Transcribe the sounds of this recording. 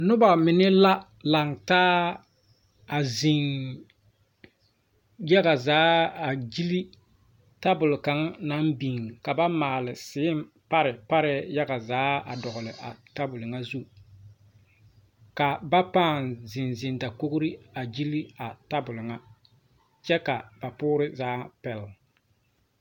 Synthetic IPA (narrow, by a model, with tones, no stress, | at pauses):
nʊ˦ba˨mɪ˨nɪ˦la˦ | la˨ŋtaː˦ | a˨zɪ˨ŋ | ja˦ɡa˨zaː˨˦a˨d͡ʒi˦li˦ | ta˦bʊ˨lʊ˨ka˨ŋ˦na˦mbi˨ŋ˨ka˨ba˦maː˨lɪ˨sɪ˨˦ɪ˦m˦ | pa˦ɾɪ˨pa˦ɾɪ˦ja˦ɡa˨zaː˨˦a˨dɔ˨ɣʊ˨lɪ˨ʔa̰˨ta˦bʊ˨lʊ˨ŋa˦zu˦ | ka˨ba˦paː˦˨nzɪ˨nzɪ˨nda˨ko˦ɡʊ˦ɾi˦a˨d͡ʒi˦li˦a˨ta˦bʊ˨lʊ˨ŋa˦ | t͡ʃɛ˦ka˨ba˨pʊː˦ɾɪ˦zaː˦pɛ˨lɪ˨